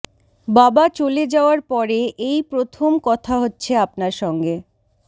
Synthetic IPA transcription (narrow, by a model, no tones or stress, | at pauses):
babat͡ɕoled͡ʑaoaɾpɔɾeʔejpɾot̪ʰomkɔt̪ʰaɦotːɕʰeapnaɾʃɔŋɡe